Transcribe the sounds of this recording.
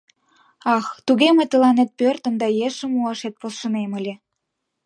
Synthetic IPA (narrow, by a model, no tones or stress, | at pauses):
ɑxt̪uɣemet̪ə̆lɑnet̪̚pørt̪ə̆md̪ɑjeʃə̆muɑʃet̪̚posʃənemə̆lʲe